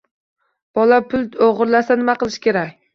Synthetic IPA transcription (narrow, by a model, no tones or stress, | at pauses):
b̥ɒlapʰʊlˠoʁɨɾlasanɪmaqɨlˠɪʃkʲe̞ɾakʲ